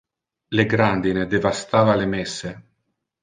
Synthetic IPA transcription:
leɡɾand̪ined̪evast̪aːvalemɛsːe

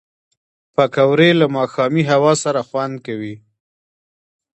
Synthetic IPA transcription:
pakawɾelamɑxɑmiɦawɑsaɾaxwand̪̚kawi

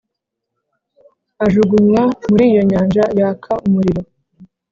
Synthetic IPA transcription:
aʒuɡumwamuɾiːjo̞ɲaːnd͡ʒajakʰaʔumuɾiɾo̞

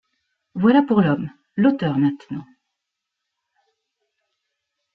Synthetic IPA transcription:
vwalapuʁlɔm | lot̪œʁnɛ̃t̪nɑ̃

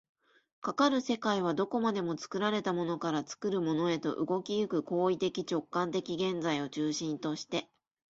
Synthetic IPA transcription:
kakaɾɯ̟se̞kaiβ̞ad̪o̞ko̞mad̪e̞mo̞t͡sɨ̥kɯ̟ɾaɾe̞t̪amo̞no̞kaɾat͡sɨ̥kɯ̟ɾɯ̟mo̞no̞e̞t̪o̞̰ʔɯ̟ɡo̞kʲijɯ̟kɯ̟ko̞ːit̪e̞kʲit͡ɕo̞kːãnt̪̬e̞kʲiɡẽ̞nd͡zaio̞t͡ɕɨːɕĩnt̪o̞ɕi̥t̪e̞

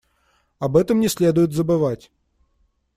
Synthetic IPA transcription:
ɐbɛt̪əmnʲɪsʲlʲed̪ʊjʊt̪zəbɨvatʲ

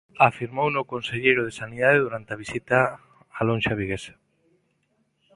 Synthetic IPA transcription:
afiɾmownokonseʎejɾʊð̞esaniðaðeðuɾant̪eaβisit̪a | alõnʃaβiɣesḁ

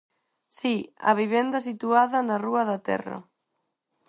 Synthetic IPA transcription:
siɐ̰βiβɛnd̪ɐs̬it̪uaðɐnaruɐðat̪ɛ̰rɐ̰

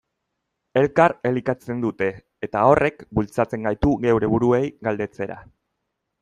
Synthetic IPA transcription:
e̞lkare̞likat͡se̞nd̪ut̪e̞ː | t̪ao̞re̞kbult͡sat͡se̞ŋɡajt̪uɣe̞wɾe̞βuɾue̞jɡald̪e̞t͡se̞ɾa̰

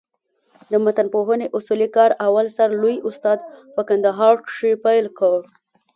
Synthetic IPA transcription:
d̪əmat̪anpoɦəneʔʊsulikɑɾawalsaɾlujʊst̪ɑd̪pəkand̪aɦɑɾʂepajlkəw

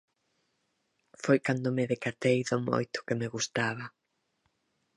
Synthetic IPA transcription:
fojkand̪ʊmɪðekat̪ejðʊmo̰jt̪ʊ̥kɪmeɣust̪aβɐ

